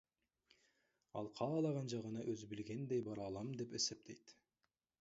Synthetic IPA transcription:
ɑlˠqʰɑːlˠɑʁɑnʒɑʁənɑʔɵzbɪlɡʲe̞nd̪ejbɑɾɑlˠɑmd̪e̞pese̞p̚t̪ʰe̞jt̪

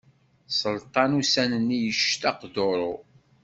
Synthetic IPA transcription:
sˤəlt̪ˤɑnusænənːijəʃt̪ɑqdoɾˤo

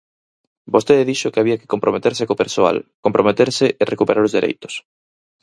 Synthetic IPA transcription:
bost̪eððiʃokeaβ̞iɐkɪ̥kompɾomet̪eɾsekopeɾsoa̰lkompɾomet̪eɾseʔerʔekupeɾaɾozðiɾʔḛjt̪ʊ̥s

